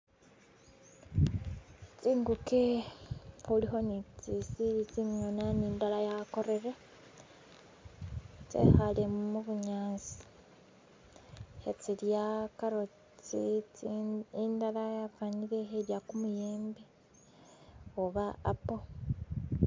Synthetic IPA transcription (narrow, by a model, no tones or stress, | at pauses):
t͡siːŋɡuke | uliɦo̞nit͡sisiit͡simjonaniːndalajako̞ɾe̞ɾe | t͡sḛxalemmuβuɲaːnzi̥ | et͡siljakaɾo̞ | t͡si | indalajavaɲiɾe̞eɾjakumujeːmbe | oβa̰ːpo